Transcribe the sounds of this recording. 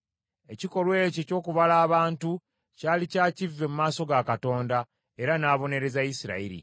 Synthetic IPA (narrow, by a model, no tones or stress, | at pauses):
e̞ciko̞lwe̞ːceco̞ːkuβalaːβaːntu | caːlicaːcivːe̞mumaːso̞ɡakato̞ːnda | e̞ɾanaːβo̞ne̞ɾe̞zajisiɾa̰iɾḭ